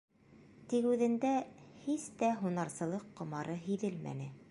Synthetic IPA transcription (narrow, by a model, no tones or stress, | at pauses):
t̪ikʉðɘ̆nd̪æhist̪æɦunɑɾsɤ̆lˠɤqːŏmɑɾɤɦiðɘlmæ̰nɘ